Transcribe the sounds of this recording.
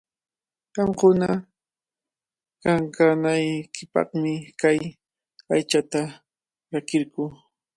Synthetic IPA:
ɢɑmkʊna | kaŋkanajkɪpɑ̰χmɪkaj | ajt͡ʃat̪a | ɾakɪɾkuː

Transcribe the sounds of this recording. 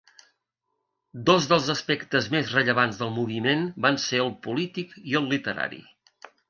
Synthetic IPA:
d̪ozðəlˠzəspɛkt̪əzmezrəʎəβ̞anzðəlˠmuβ̞imenbanseəlˠpulit̪ikiəlˠːit̪əɾa̰ɾḭ

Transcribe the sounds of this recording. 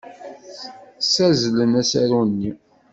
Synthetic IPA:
sæzlənæsæɾunːi

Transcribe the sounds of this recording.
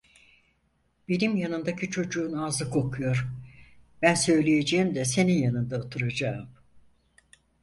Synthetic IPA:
benimjanɯnd̪acʰit͡ʃʰo̞d͡ʒuːnaːzɯkʰo̞kʰujo̞ɾ | b̥ænsø̞jlʲejed͡ʒeimd̪ɛse̞ninjanɯnd̪aot̪ʰɯɾad͡ʒaːm

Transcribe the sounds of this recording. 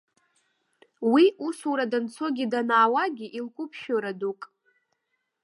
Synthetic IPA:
wiʔusuɾadant͡sʰo̞ɡʲidanaːwaɡʲiʔilkʷʼʊpʰʃᶣoɾadukʼ

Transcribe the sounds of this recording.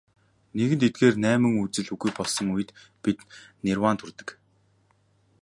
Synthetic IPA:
neɣɘ̆nt̪ʰet̪̚ɡeːrnæːmɘ̆ŋut͡sɘ̆ɮuɣujpɔɮsɞ̆ŋujɘ̆t̪ | pit̪nerwant̪ʰurt̪ə̥̆k

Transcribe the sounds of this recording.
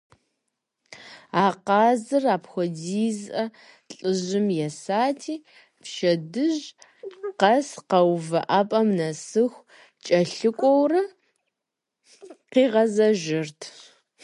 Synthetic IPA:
aːqɑːzɨraːpxʷɔdiːzʔɐ | ɬʼɨʒɪmjɛsaːtʰiː | pʃɐdɨʑ | qɐsqɐwvɐʔaːpʼɐmnɐsɨxʷ | t͡ʃʼɐɬɨkʷʼɔwrɐ | qiːʁɐzɐʒɪrtʰ

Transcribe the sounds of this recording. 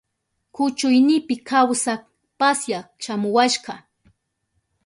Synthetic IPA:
kʊt͡ʃʊjnɪpɪkawsak | pasjaʃamʊwaʃɢɑ

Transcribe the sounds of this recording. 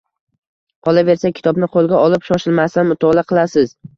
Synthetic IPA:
qʰɒlˠave̞ɾsakʲʰɪ̥t̪ʰɒbnɪqʰolˠɡʲaɒlɪpʃɒʃɪlmast̪anmʊt̪ʰɒlaqʰɨlˠasɪz

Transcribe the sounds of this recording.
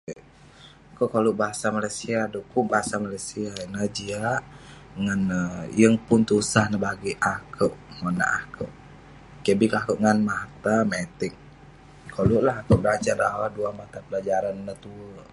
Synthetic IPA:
koʔkoluʔbaɦasamalajsiadokʊŋbaɦasamalajsiainəd͡ʒia | ŋanəjəŋpʊnt̪usahnəbaɡiʔakʰəʔŋona̰ʔakə̰wʔ | kiabikakəʔŋanmaht̪amet̪ɪk̚ | koluʔlahakəʔbəlad͡ʒardawaduamat̪apəlad͡ʒaɾannət̪uə

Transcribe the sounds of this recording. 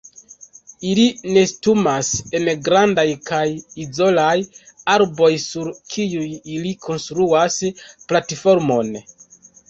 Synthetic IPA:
iline̞stumase̞nɡɾandajkajizo̞lajaɾbo̞jsuɾkʰijujilikʰo̞nstɾuasplatifo̞ɾmo̞n

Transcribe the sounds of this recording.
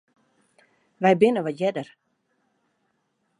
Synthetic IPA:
ʋɛjbɪnəʋɔtjɛdər

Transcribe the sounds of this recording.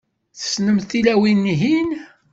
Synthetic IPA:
θə̥snəmθilæwinːiɦin

